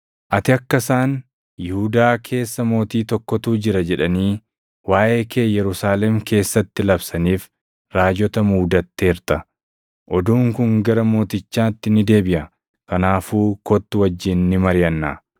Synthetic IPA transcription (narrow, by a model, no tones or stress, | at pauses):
ʔɐt̪ɪɐkːɐsaːn | jɪhud̪aːkʰe̞ːsːɐmo̞ːt̪iːt̪ɔkːɔt̪uːd͡ʒɪɾɐd͡ʒɛᶑɐniː | waːʔe̞ːkʰeːjɛɾʊsaːlɛmkʰe̞ːsːɐt̪ːɪlɐbsɐniːf | ɾaːd͡ʒɔt̪ɐmuːd̪ɐt̪ːeːɾt̪ɐ | ʔɔd̪uːŋkʊŋɡɐɾɐmo̞ːt̪ɪt͡ʃːaːt̪ːɪnɪd̪e̞ːbɪʔɐ | kɐnaːfuːkɔt̪ːʊwɐd͡ʒːɪnːɪmɐɾɪjɐnːa̰ː